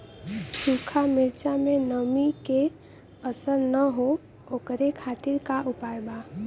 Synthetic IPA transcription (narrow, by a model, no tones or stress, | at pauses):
sukʰamɪɾt͡ʃamẽnəmike | əsəɾnəɦo | oːkɾekʰaːt̪ɪɾkaʔupajba